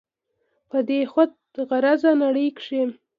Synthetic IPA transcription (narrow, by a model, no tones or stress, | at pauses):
pəd̪exad̪̚ | ɣaɾazanaɽikʂi